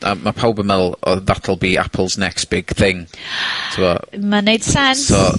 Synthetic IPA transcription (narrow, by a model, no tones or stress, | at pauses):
ʔa̰mapʰawbəmɛl̩ˠɔ̰ðatʰəlˠbia̰pʰəl̩ˠznɛkstb̥ɪɡ̥θɪŋtʰuɔmanejd̥sɛnsɔ